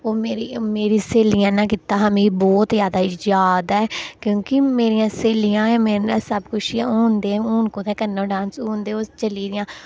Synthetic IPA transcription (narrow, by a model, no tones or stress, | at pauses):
oːmeːɾimeːɾiːseːlijãːnãːkɪt̪ãːɦəmẽːbɔːt̪jaːd̪aːd͡ʒaːd̪ɛːkjõːkɪmeːɾɪjãːseːlijãːmeːsəbkʊt͡ʃːuːnd̪eːuːnkõːt̪ʰɛ̃ːkənːõːɖãːnsũːnd̪eːoːt͡ʃəliːd̪ɪjãː